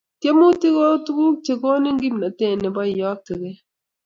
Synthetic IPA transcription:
tje˦mu˦ti˦ko˦tu˦ku˦k̚t͡ʃe˨ko˦nɪ˦ŋɡi˦mna˨te˦˨nːɪ˨bɔ˦˨jɔ˦k̚ti˨ke˦

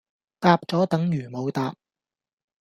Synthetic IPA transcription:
t̪aː˧p̚t͡sɔː˨˥t̪ɐ˨˥ŋjyː˨˩mo˨˧wt̪aː˧p̚

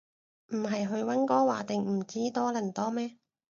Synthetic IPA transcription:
m̩˨˩ɦɐ˨jɦɵ˧ɥwɐ˥nkɔː˥waː˨˩t̪ɪ˨ŋm̩˨˩t͡siː˥t̪ɔː˥lɐ˨˩nt̪ɔː˥mɛː˥

